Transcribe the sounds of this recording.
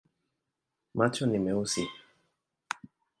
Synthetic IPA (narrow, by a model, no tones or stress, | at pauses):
mat͡ʃɔnimɛusi